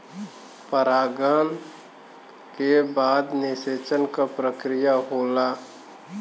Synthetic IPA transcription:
pəɾaːɡaːn | kebaːd̪nɪseːt͡ʃənkapɾəkɾɪjaɦoːlaː

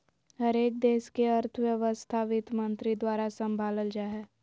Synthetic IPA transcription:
həɾeːk̚d̪eːʃkeɐɾt̪ʰʋjəʋəst̪ʰaːʋɪt̪mə̃nt̪ɾid̪waːɾasə̃mbʱaːləld͡ʒaːɦɛː

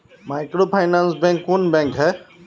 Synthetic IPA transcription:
majkɾopʰajnãnsbɛ̃ŋkːunbɛ̃ŋkɦɛ

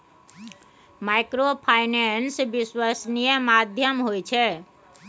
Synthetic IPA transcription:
majkɾopʰajnensʋiswasnijəmad̪ʱjəmɦojt͡ʃʰe

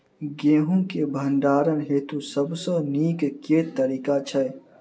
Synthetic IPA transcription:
ɡeːɦũkebʱəɳɖaːɾənɦeːt̪usəbsə̃niːkket̪əɾiːkat͡ʃʰə

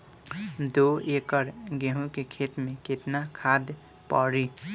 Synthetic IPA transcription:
d̪oekəɾɡeɦũkekʰet̪mẽket̪nakʰad̪ | pɔɾi

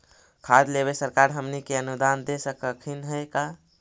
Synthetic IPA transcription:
kʰad̪leβesəɾkaɾɦəmnikeənud̪and̪esəkəkʰinɦəka

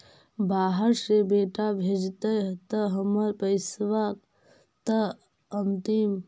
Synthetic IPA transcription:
baːɦəɾsebeːʈabʱed͡ʒt̪əjt̪əɦəməɾpəɪsʋak | t̪ə | ənt̪im

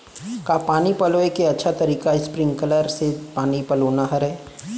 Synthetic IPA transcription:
kapaːnipɐloːekeɐtːʃʰat̪ɐɾiːkaɪspɾɪ̃ŋɡkələɾsepaːnipɐloːnaɦɐɾɦɛː

